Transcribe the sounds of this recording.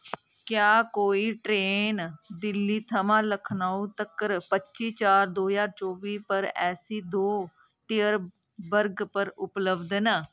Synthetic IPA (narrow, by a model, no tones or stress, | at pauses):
kjaːkoːiːʈɾeːnd̪ɪlːiːt̪ʰəmãːləkʰnaːũːt̪əkəɾpətːʃiːt͡ʃaːɾd̪oːzaːɾt͡ʃoːʋiːpəɾɛ̰ːsiːd̪oː | ʈijəɾ | bəɾɡpəɾʊpləbd̪naː